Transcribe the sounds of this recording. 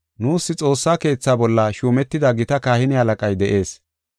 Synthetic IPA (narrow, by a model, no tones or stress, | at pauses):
nuːsːɪt͡sʼo̞ːsːaːke̞ːt͡sːaːbɔlːɐʃuːmɛt̪ːɪd̪ɐɡɪt̪ɐkaːhɪnɪhɐlɐkʼɐjd̪ɛʔe̞ːs